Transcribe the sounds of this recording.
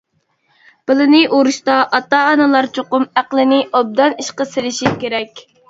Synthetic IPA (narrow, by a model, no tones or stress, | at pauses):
b̥ɨlˠɨnɪʔoɾuʃt̪ɑʔɑt̪ɑːnɨlˠɑɾt͡ʃʰoqʊmæqlˠɪnɪʔob̚d̪ɑniʃqəselɪʃikʲeɾɛkʲ